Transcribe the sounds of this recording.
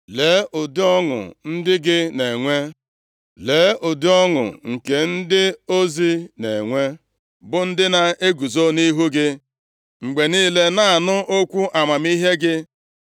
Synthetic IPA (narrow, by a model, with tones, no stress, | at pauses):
le˨˦ʔʊ˨dɪ˦ɔ˦ŋʊ̰˨n̩˦dɪ˦ɡɪ˦ne˨ŋʷe˦ | le˨˦ʊ˨dɪ˦ɔ˦ŋʊ̰˨ŋ̩˨ke˨n̩˦dɪ˦o˦zi˦ne˨ŋʷe˦ | bʊ˦n̩˦dɪ˦na˦e˦ɡu˨zo˦ni˦ɦu˦ɡɪ˦ | ŋ͡m̩˨ɡ͡be˨niː˦le˦na˦a˨nʊ˦ʔo˦kʷu˦ʔa˨ma˨mi˦ɦe˦ɡɪ˦